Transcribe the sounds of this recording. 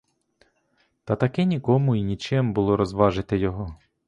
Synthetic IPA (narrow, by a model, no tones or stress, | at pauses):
t̪ɐt̪ɐkɛnʲikɔmʊinʲit͡ʃɛmbʊlˠɔɾɔzʋɑʒɪt̪ɪjɔɦɔ